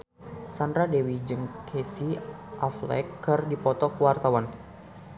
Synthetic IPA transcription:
sandɾadewid͡ʒɨŋkʰɛsiʔaflɛ̰kːɨrdipɔt̪ɔkəwart̪awan

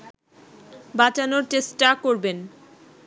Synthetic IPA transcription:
bat͡ɕanoɾʈesʈʈakoɾben

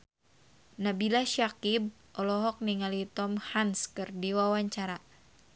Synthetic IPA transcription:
nabilaʃakib̚ | ɔlɔɦɔk̚niŋalit̪ɔmhanskɨrdiwawaɲt͡ʃaɾa

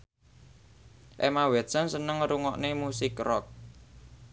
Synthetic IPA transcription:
ʔemawɛt̪sənsənəŋɾuŋɔʔnemusɪkrɔk̚

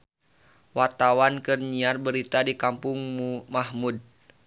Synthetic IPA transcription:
wat̪awankɨrɲiarbəɾit̪adikampʊŋmumahmud̚

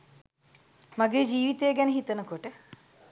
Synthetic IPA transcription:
maɡeːd͡ʒiːʋit̪eːɡɛnəɦit̪ənəkoʈə

